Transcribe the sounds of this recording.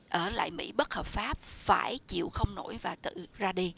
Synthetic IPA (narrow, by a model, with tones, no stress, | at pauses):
ʔəː˧˩la̰ː˧˨jmḭ˧˥ɓə˦˥t̚həː˨˩p̚faː˦˥p̚faː˧˩jt͡ɕḭ˧˨əwxə˧wŋ͡mno˧˩jvaː˨˩t̪ɨ̰˧˨zaː˧ɗi˧